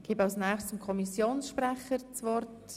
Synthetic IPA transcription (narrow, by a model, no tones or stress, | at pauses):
ɡ̥iːbɑʊsnæːχst͡sumkʰɔmisjoːnsʃpɾɛχəɾt͡svɔrt